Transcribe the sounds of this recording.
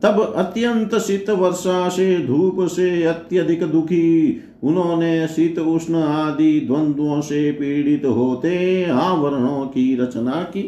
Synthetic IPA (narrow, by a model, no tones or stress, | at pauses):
t̪ɐbɐt̪jɐnt̪ɐsit̪ʋɐɾʃaːsed̪ʱuːpɐseːɐt̪jɐd̪ʱikɐd̪ukʰi | unõːnesit̪usnɐaːd̪id̪ʱʋɐnd̪ʋõːseːpiːɽit̪ɦoːt̪eːaːʋɐɾɐɳ̃õːkiɾɐt͡ʃɐnaːki